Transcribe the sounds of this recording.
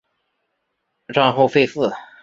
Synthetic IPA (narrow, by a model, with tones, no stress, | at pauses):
ʈ͡ʂɑ˥˧ŋxo˥˧ʊfe˥˧ɪf̩˥˩